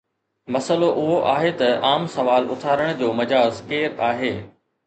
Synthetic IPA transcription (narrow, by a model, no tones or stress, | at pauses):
mɐsəloʔʊɦoʔaːɦet̪ɐaːmsɐʋaːlʊ̰t̪ʰaːɾəɽ̃d͡ʑoːmɐd͡ʑaːzkeːɾaːɦeː